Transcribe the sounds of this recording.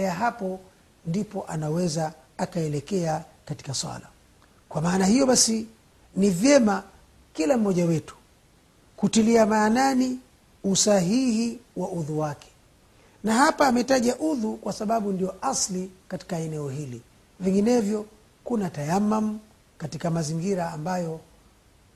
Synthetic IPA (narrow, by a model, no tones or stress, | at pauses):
ɛaɦapɔ | ndipɔʔanawɛza | akaɛlɛkɛakati̥kaswa̰la | kwamaːnahijɔɓasi | nivjɛma | kilam̩mɔʄawɛtu̥ | kutiliamaːnani | usaɦihiwauðuwakɛ̥ | nahapaːmɛtaʄaʔuðukwasaɓaɓundijɔʔaslikati̥kaɛnɛɔɦili | viŋɡinɛvjɔ | kunatajamːam̩ | katikamaziŋɡiɾaːmbajɔ